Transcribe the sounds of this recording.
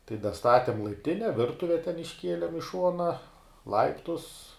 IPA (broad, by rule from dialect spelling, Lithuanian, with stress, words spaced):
tɐɪ dɐˈstɑːtʲɪm lˠɐɪpʲˈtʲɪnʲɛ ˈʋʲɪrtʊʋʲɛ tʲɛn ɪʃʲˈkʲiɛlʲɪm ɪ ˈʃuɔnɐ ˈlˠɐɪptʊs